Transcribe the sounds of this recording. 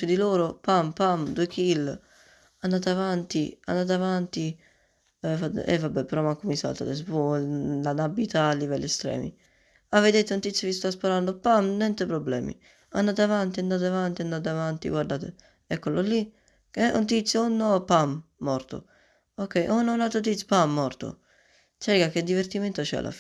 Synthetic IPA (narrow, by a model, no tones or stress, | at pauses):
sud̪iloːɾopampamd̪uekʰil | and̪aːt̪avant̪ia̰nːdaːt̪̬avant̪i | fad̪̰ɛ̰vːabːɛpːeɾɔmakːomisa̰lt̪a̰t̪es̬pɔlanabit̪aːlːivɛlːiɛst̪ɾɛ̰ːmḭ | avːed̪et̪eunt̪it̪sjkist̪aspaɾand̪opamnɛnt̪epɾobːlɛ̰ːmḭ | a̰nd̪aːt̪avant̪iand̪aːt̪̬avant̪iand̪at̪avant̪ḭɡwaɾd̪aːt̪e | ɛkːololːi | kɛṵnt̪it̪sːjounːɔpamː | ɔɾt̪o̰ | okːɛjʔonːaunalt̪ɾot̪̬it̪sʲpamːɔrt̪o̰ | t͡ʃɛɾkakːed̪ːiveɾt̪iment̪ot͡ʃɛ̰a̰lʔa̰f